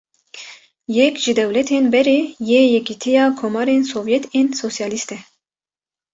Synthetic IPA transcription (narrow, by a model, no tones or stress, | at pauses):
jɛkʒ̥ɨd̪ɛwlɛt̪ʰenbɛɾejeːjɛkit̪ʰijɑːkʰomɑːɾensoːvjɛt̪ʰensosijɑːlist̪ɛ